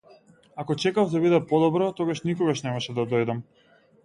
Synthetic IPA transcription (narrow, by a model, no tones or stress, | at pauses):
akɔt͡ʃɛkavd̪abid̪ɛpɔd̪ɔbɾɔt̪ɔɡaʃnikɔɡaʃnɛmaʃɛd̪ad̪ɔjd̪am